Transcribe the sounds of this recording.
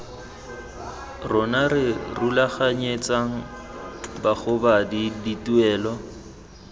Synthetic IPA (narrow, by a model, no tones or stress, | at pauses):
rʊnaɾɪrulaχaɲet͡sʼaŋ̩ | baχʊbadidituɛːlɔ